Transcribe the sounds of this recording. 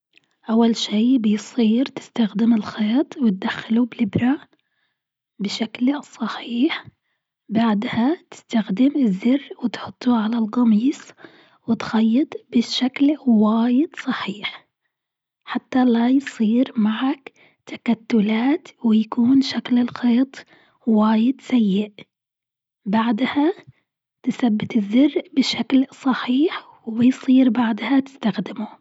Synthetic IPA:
ʔawːalʃiːbɪjsˤiːɾt̪ɪ̥st̪axd̪ɪmɪlxeːt̪ˤwɪt̪̚d̪axːɪlubɪlɪbɾa | bɪʃaklsˤɑħiːħ | baʕd̪hat̪ɪ̥st̪axd̪ɪmɪzːɪrːwɪt̪ħʊt̪ˤːuʕalalqɑmiːsˤ | wɪt̪xajːɪt̪ˤbɪʃaklwaːjɪd̪sˤɑħiːħ | ħat̪ːalajsˤiːɾmaʕak | t̪ḁkat̪ːʊlaːt̪wɪjakuːnʃaklɪlxeːt̪ˤ | waːjɪd̪sajːɪʔ | baʕd̪ha | t̪ɪθabːɪt̪ɪzːɪrːʔbɪʃaklsˤɑħiːħ | wɪjsˤiːɾbaʕd̪hat̪ɪ̥st̪axd̪ɪmʊ

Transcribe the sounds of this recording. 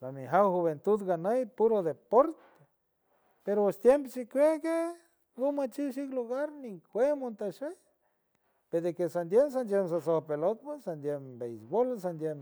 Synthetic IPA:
lamiɦawxuβent̪ud̪ɡanajpuɾod̪epoɾt̪e̥ | peɾoest̪jemp̬oʃikʷeke | ɡumat͡ʃiwʃ̬ikluɣaɾniŋkwemont̪aʃe | ped̪ekesand̪jens̬and̪jems̬asohpelot̪̚pesand̪jembejsbolas̬and̪jem

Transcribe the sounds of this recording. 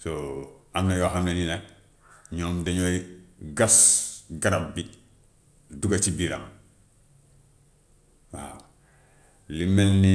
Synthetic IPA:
soamnajoaxamnenina | ɲomdeɲoiɡasɡaɾabbi | duɡat͡ʃibiɾa̰ŋ | wa̰ | limenni

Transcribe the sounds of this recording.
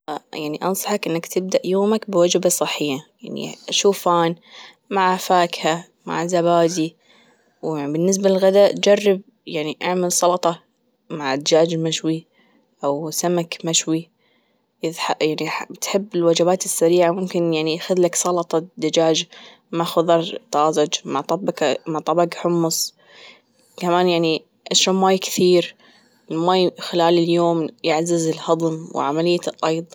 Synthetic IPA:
jaʕniʔɑ̰nsˤɑ̥ħɑkʔɪnːakt̪ɪb̚d̪aʔjoːmakbwad͡ʒbasˤɨħːɪjːajaʕnḭʔaʃuːfaːn | maʕfaːkha | ma̰ʕzaβaːd̪i | waʕibɪnːɪs̬balɪlɣad̪ad͡ʒarːɪb̚ | jaʕniʔaʕmɪlsˤɑlt̪ˤɑ | maʕd̪d͡ʒaːd͡ʒmaʃwi | ʔawsamakmaʃwi | jɪðħaʔjaʕnit̪ħɪbːɪlwad͡ʒabaːt̪ɪsːaɾiːʕamʊmkɪnjaʕniʔaxaðlaksˤɑlɑt̪ˤɑd̪ad͡ʒaːd͡ʒ | maʕxʊðˤɑɾˤt̪ˤɑːzʊd͡ʒmaʕt̪ˤɑbmaʕt̪ˤɑbɑɡħʊmːʊs | kamaːnjaʕni | ʔaʃaːnmaːjkθiːɾ | ɪlmaːjxɪlaːlɪljoːmjaʕzɪzɪlhɑd̪ˤmw̰ʕamalɪjːaʔɑjd̪ˤ

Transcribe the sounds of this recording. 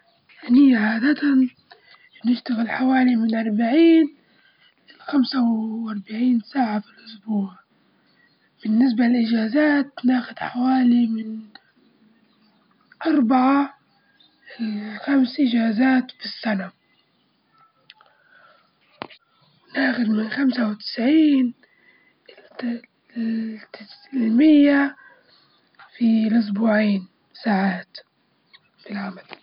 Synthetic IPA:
ʔɪnijaʕaːd̪at̪a | nɪʃt̪aɣɪlħawaːlimɪnʔɑɾˤbaʕiːn | lɪlxamsawʔɑɾˤbaʕiːnsaːʕafilʔʊsbuːʕ | b̥ɪnːɪs̬balɪlʔɪd͡ʒaːzaːt̪naːxʊd̪ħawaːlimɪn | ʔɑɾˤbaʕa | xamsʔɪd͡ʒaːzaːt̪fisːana | wnaːxʊd̪mɪnxamsawɪt̪ɪ̥sʕiːn | t̪lmɪjːa | filʔʊs̬buːʕiːn | saːʕaːt̪ | filʕamal

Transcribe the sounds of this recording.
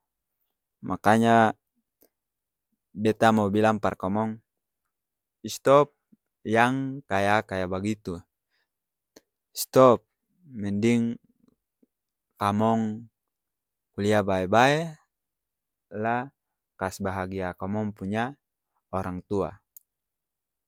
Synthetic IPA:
mʔakaɲa | bɛt̪amabilaŋparkamɔŋ | ist̪ɔp̚ | jaŋkajakajabaɡit̪u | ist̪ɔp̚ | mɛndiŋ | kamɔŋ | kuliabaɛbae | la | kasbaɦaɡiakɔmɔŋpuɲa | ɔɾaŋt̪ua̰

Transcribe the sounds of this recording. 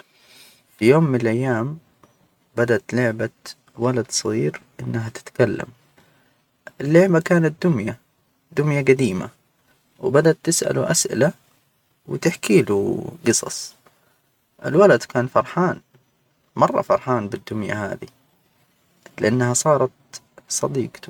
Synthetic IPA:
fijoːmːɪnɪlʔajːaːm | bad̪aʔt̪lʊʕba | walad̪sˤɑɣiːɾʔɪnːɦat̪ɪ̥t̪kalːa̰m | ɪlːʊʕbakaːnat̪̚d̪ʊmja | d̪ʊmjaɡad̪iːma̰ | wbad̪aʔt̪ːɪsʔa̰luʔasʔɪ̰la | wt̪ɪħkiːluɡɨsˤɑ̰sˤ | ʔɪ̰lwalad̪kʰaːnfɑɾˤħaːn | mɑrˤːɑ̰fɑɾˤħaːnbɪd̪ːʊmja̰ha̰ːði | lɪʔanːhasˤɑːɾˤɑt̪ | sˤɑd̪iːq̪

